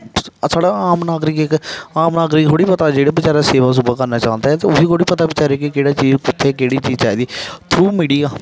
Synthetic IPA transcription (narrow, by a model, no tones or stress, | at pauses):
saːɽaːaːmnaːɡɾɪkɪkaːmnaːɡɾɪkkʰoːɽiːpət̪aːd͡ʒeːɽeːbɪt͡ʃaːɾaːseːʋaːs̬ʊbaːkəɾnaːt͡ʃãːnd̪aːɦɛːt̪eːʊsiːkoːɽiːpət̪aːbɪt͡ʃaːɾeːkɪkeːɽaːt͡ʃiːzʊt̪ʰːekeːɽiːt͡ʃiːzt͡ʃaːiːd̪iːt̪ʰɾuːmiːɽiːaː